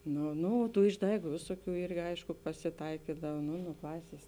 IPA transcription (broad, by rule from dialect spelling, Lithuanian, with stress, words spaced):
ˈnoː ˈnoː ˈtuː ɪʒˈdɐɪɡʊ ˈʋʲɪsoːˌkʲuː ˈɪrʲɡʲɪ ˈɐɪʃkʊ pɐsʲɪˈtɐɪkʲiːdɐw ˈnʊ nʊ ˈklˠɑːsʲeːs